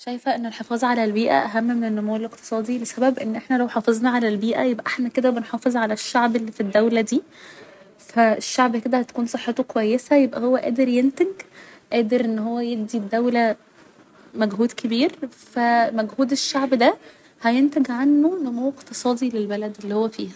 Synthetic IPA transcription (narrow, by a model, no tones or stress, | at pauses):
ʃæjfæʔenːelħefɑːzˤʕalælbiːʔæ̰ʔæɦæmːmenenːomoweleqt̪e̥sˤɑːd̪ilesæbæbʔenːʔeħnælæwħɑːfezˤnɑʕalælbiːʔæ̰jebʔæʔaħnæked̪æbenħɑːfezˤʕalæʃːaʕbelːifid̪ːæwlæd̪iː | fæeʃːaʕbked̪æhæt̪æ̥kuːnsˤeħːet̪okowæjːesæjebʔæhowːæʔæ̰ːd̪eɾjent̪eɡʔæːd̪eɾʔenːɦowːæjebd̪id̪ːæwlæ | mæɡɦuːd̪kʰebiːɾfæmæɡhuːd̪eʃːaʕbd̪æ | hæjent̪æɡʕanːonomowːeqt̪esˤɑːd̪ilelbælæd̪elːihowːæfḭːhæ